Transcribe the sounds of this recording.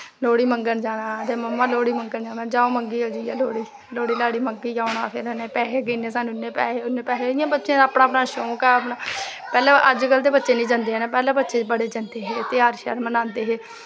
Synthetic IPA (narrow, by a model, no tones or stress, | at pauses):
loːɽiːməŋɡənd͡ʒaːnãːt̪eːməmːãːloːɽiːməŋɡənd͡ʒaːnãːd͡ʒaːõːməŋɡiːoːd͡ʒiːaːloːɽiː | loːɽiːlaːɽiːməŋɡiːd͡ʒãːʊɳaːpʰɪɾneːpɛːɦeːɡineːsaːnũɪnːẽːpɛːɦeːʊnẽːpɛːɦeːɪjãːbətːʃẽːaːpnãːəpnãːʃoːkɛːəpnaː | pɛːlãːʔəd͡ʒkəlt̪eːbətːʃeːnĩːd͡ʒãːnd̪eːɛːnãːpɛːlãːbətːʃeːbəɽeːd͡ʒãːnd̪eːɦeːt̪ɪaːɾʃə̰ɾmənãːnd̪eːɦeː